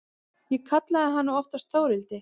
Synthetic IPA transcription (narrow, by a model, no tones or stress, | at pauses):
jɛkʰat̪laðɪɦanːaɔft̪ast̪oːwɾɪlt̪ɪ